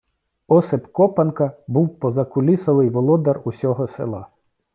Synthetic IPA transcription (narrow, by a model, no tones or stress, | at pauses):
ɔsɪpkɔpɐnkɐbuwpɔzɐkʊlʲisɔʋɪjʋɔlˠɔd̪ɐrusʲɔɦɔsḛlˠɑ̰